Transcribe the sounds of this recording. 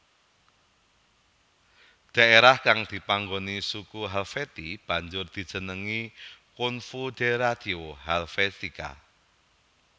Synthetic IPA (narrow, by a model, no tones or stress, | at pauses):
d̪̥a̤ʔeɾahkaŋd̪̥i̤paŋɡonisukuɦalfet̪ib̥a̤ɲd͡ʒʊrd̪̥i̤̥ʒ̥ə̤nəŋikʊnfud̪̥eɾad̪̥ioɦalfest̪ika̰